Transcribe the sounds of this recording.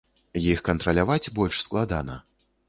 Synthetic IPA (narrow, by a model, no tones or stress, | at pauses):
jixkɐnt̪ɾɐlʲavat͡sʲbɔlʲʂsklˠad̪a̰nɐ̰